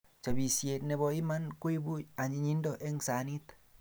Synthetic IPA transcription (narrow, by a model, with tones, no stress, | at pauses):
t͡ʃa˨bi˨sje˨tnɛ˨˧bɔ˧i˦ma˦nkwi˦bu˦a˨ɲi˨ɲi˦ndɔ˦ʔe˦ŋsa˨˦ni˦t̪